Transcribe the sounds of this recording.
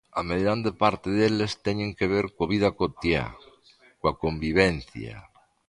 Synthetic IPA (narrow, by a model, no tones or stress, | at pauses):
ameðɾand̪epaɾt̪eðelest̪eɲeŋkeβ̞eɾkoβiðakot̪ja̰ | kwakombiβenθja̰